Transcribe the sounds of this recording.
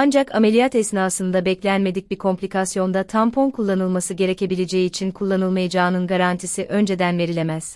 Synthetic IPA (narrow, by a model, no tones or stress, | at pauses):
and͡ʒakʰame̞lʲijat̪ɛsnaːsɯnd̪abɛclʲænme̞d̪ic̚biɾkʰo̞mplʲikasjo̞nd̪at̪ʰampʰo̞nkʰulˠːanɯlˠmasɯɟe̞ɾe̞ce̞bilʲed͡ʒejiːt͡ʃʰinkʰulˠːanɯlˠmajad͡ʒaːnɯnɡaɾant̪ʰisiʔø̞nd͡ʒe̞d̪ænve̞ɾilʲemæz̥